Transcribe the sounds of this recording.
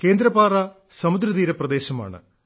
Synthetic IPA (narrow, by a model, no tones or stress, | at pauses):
ke̞ːnd̪ɾɐpaːrɐ | sɐmud̪ɾɐðiːɾɐprɐd̪e̞ːɕɐma̰ːɳɨ̰